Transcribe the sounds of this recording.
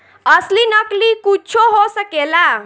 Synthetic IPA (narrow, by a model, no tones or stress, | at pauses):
əslinəklikut͡ʃʰoɦosəkela